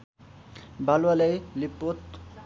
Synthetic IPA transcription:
balwalejlipːot̪

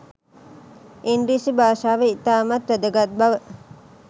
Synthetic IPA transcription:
inɾisibaːʃaːʋeit̪aːmat̪ɾəd̪əɡat̪̚baʋə

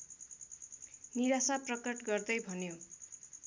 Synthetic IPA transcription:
niɾasaprʌkʌʈɡʌrd̪ʌjbʱʌnjo

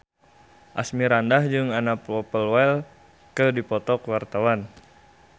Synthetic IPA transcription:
ʔa̰smiɾandahd͡ʒɨŋanaplɔpəlwal | kədipɔt̪ɔkwart̪awan

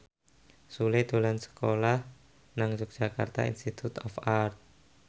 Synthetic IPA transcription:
suled̪̥o̤lansə̥kolah | naŋd͡ʒʊk̚ʒ̥aka̰rt̪a̰ḭnst̪it̪ut̪ɔfart̪̚

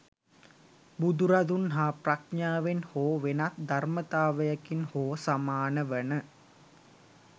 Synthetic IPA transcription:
bud̪uɾad̪unɦaːprakɲaːʋenhoːʋenat̪d̪armət̪aːʋəjəkinhoːsamaːnəʋənə

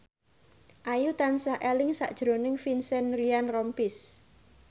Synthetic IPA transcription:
ʔajut̪ansaʔelɪŋsa̰ʔd̥ʒ̥ɾo̤nɪŋfinsɛnɾianrɔmpɪs

